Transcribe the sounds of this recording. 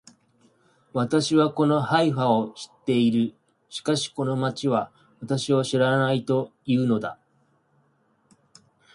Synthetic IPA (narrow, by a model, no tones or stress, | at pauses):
βat̪aɕiβako̞no̞haiɸao̞ɕi̥t̪ːe̞iɾɯ̟ | ɕi̥kaɕi̥ko̞no̞mat͡ɕiβa | βat̪aɕio̞ɕiɾanait̪o̞jɯːno̞d̪a̰